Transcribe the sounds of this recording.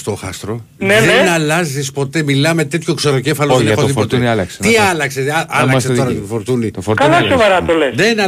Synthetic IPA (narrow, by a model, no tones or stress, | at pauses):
st̪oxɐ̰st̪ɾo | neðenɐlɐzispo̞t̪e̞milɐme̞t̪et̪ço̞kseɾoce̞fɐloenexoðiot̪niɐlɐkst̪iɐlɐkseɐlɐkseoɾɐofoɾt̪unit̪ofoɾkɐlɐsovɐɾɐt̪olesðenɐ